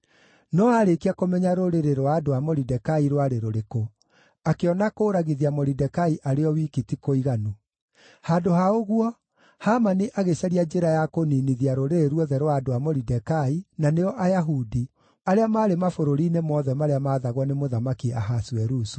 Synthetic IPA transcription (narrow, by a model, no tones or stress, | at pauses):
nɔaɾekiakomɛɲaɾoɾeɾeɾwaːdoamoɾidɛkaiɾwaɾeɾoɾeko | akeɔnakoːɾaɣiðiamoɾidɛkaiʔaɾeɔwikitikoiɣanu | haːdohaoɣwɔ | haːmaniʔaɣeɕaɾiad͡ʒeɾajakoniniðiaɾoɾeeɾwɔðɛɾwadoamoɾidɛkainaneɔʔajaɦudi | aɾeamaːɾemafoɾoɾinemɔðɛmaɾeamaːðaɣɔnemoðamakiaɦasuɛɾusu̥